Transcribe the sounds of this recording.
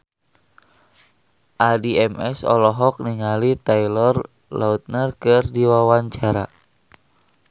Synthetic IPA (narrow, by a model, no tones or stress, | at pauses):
ʔadiɛmɛsɔ̰lɔɦɔk̚niŋalit̪ailɔr | laut̪̚nərkɨrdiwawaɲt͡ʃaɾa